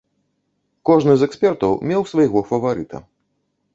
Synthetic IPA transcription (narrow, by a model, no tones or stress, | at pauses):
kɔʐnɨzɛkspʲɛrt̪ɐwmʲɛwsvajɣɔfɐvaɾɨt̪ɐ̰